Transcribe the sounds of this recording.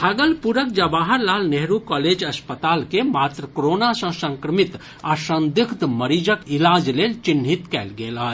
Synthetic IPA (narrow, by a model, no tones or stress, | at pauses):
aɡəlpuɾək̚d͡ʒəbaːɦəɾlaːlneɦɾukɔːled͡ʒɐspət̪aːlkemaːt̪ɾəkɾoːnasə̃sə̃ŋkɾəmit̪ | asə̃nd̪ikʰt̪məɾiːd͡ʒəkilaːd͡ʒleːlt͡ʃinɦit̪kɛːlɡelaː